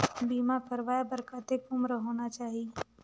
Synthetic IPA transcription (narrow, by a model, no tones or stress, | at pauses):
biːmapəɾʋaːjabəɾkaːt̪ekʊmɾəɦoːnat͡ʃaːɦie